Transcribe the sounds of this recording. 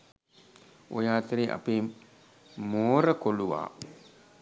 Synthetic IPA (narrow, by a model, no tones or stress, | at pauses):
ʔojaːt̪eɾiʔa̰pe | moːɾəkoluʋa̰ː